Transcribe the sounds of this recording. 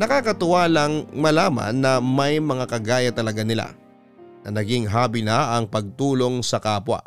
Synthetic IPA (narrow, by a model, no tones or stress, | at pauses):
nɐkaːkɐt̪ʊwaːlɐŋmɐlaːmɐ̰nːɐmɐjmɐŋakɐɡaːjɐt̪ɐlɐɡanɪla̰ | nɐnɐɡiŋɦaːbɪnɐʔɐŋpɐɡ̚t̪uːlo̞ŋsɐkaːpwɐ̰